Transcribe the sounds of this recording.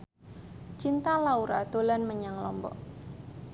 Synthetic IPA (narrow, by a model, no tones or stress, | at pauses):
t͡ʃint̪alauɾa̰d̪̥o̤lanməɲaŋlɔmbɔ̰ʔ